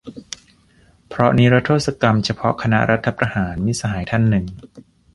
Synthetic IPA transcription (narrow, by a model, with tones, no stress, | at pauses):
pʰɾɔ˦˥ni˦˥ɾa˦˥t̪ʰoː˥˩t̚sa˧ka˧mt͡ɕʰa˧pʰɔ˦˥kʰa˧na̰˦˥ɾʔa˦t̪ʰːa˧pɾa˧haː˩˦nmiː˧˥˩sa˧ɦaː˩˦jt̪ʰa˧˥˩nːɯ˨˩ŋ